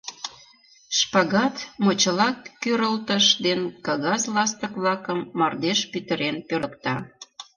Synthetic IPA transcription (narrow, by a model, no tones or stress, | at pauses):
ʃpɑɣɑt̪mot͡ɕəlɑkːøɾəlt̪əʃd̪enkɑɣɑzlɑst̪əkβlɑkəmːɑrd̪eʃpyt̪ə̆ɾenpølə̆kt̪ɑ